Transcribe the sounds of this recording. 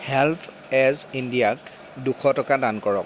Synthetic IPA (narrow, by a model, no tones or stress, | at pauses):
hɛltʰ | ɛzindijak | dukʰɔtɔkadankɔɹɔ̰k̚